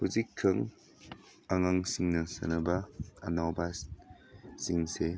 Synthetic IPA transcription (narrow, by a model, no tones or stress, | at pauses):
huzikʰːɐŋ | aŋaŋsiŋnɐsɐ̰nɐba̰ːnawbasː | iŋse